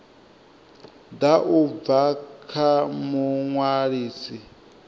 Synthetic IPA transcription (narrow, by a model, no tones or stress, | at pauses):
d̪aʔub̪vakʰamuŋwaɺiːsi